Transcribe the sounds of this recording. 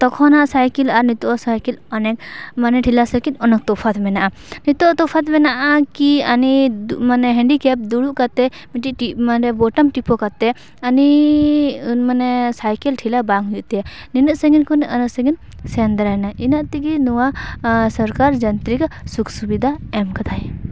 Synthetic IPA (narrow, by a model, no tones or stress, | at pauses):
t̪ɔkʰɔnaʔsajkilaɾnit̪ɔʔɔsajkilɔnɛk̚manɛʈʰilasəkinɔnɔk̚t̪ɔpʰat̪ʰmɛnaʔa | nit̪ɔʔt̪ɔpʰat̪mɛnaʔakianidmanɛɦɛ̃ɳɖikɛp̚d̪uɽuʔkat̪ɛ | miʈiʔʈimaɾɛbɔʈɔmʈipɔkat̪ɛ | ani | unmanɛsajkɛlʈʰilabaŋɦujuʔt̪ɛaninəʔsəɡinkunʔənəʔsəɡin | sɛnd̪ɾajnaʔinaʔt̪iɡinuwasɔɾkaɾd͡ʒɐnt̪ɾikasuksubid̪ʱaɛmkat̪ʰaj